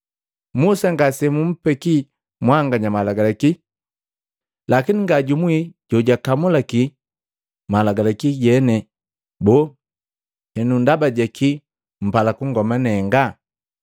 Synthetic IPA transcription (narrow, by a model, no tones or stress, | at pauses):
musaŋɡasɛmum̩pɛki | mwaŋɡaɲamalaɡalɛki | lakiniŋɡaɟumwiɟɔɟakamulaki | malaɡalɛkiɟɛnɛ | bɔ | hɛnundabaɟɛkʰi | m̩palakuŋɡɔmanɛŋɡa